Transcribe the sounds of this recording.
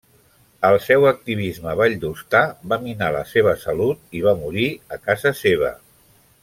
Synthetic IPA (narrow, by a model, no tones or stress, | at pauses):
əlˠsɛwək̚t̪iβ̞izməβaʎd̪ust̪aβaminalə̰seβ̞əsəlut̪̚iβamuɾiəkazəseβ̞ə̰